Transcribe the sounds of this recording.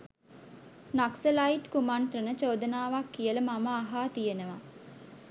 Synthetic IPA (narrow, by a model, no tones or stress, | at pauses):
naksəlaiʈkumant̪rənət͡ʃoːd̪ənaːʋakːijələmaməaɦaːt̪ijenəʋa